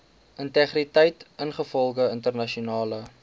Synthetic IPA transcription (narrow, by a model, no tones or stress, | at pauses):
ʔəntɛχritɛjtənχəfɔlˠχəəntərnɐʃiunɑːlə